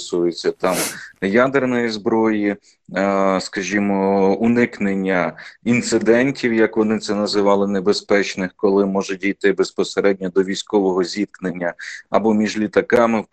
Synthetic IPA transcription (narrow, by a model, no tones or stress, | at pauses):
sujɪt͡sʲːɐt̪ɑmjad̪ernɔjizbɾɔji | skɐʒʲimɔunɪknenʲːɐint̪sɪd̪ɛnʲtʲiwjɐkʋɔnɪt̪sɛnɐzɪʋɑlˠɪnebespɛt͡ʃnɪxkɔlˠɪmɔʒʊt̚ʲijt̪ɪbespɔseɾɛdʲnʲɔd̪ɔʋʲijsʲkɔʋɔɦɔzʲit̪̚knenʲːɐɐbɔmʲiʒlʲit̪ɐkɑmɪ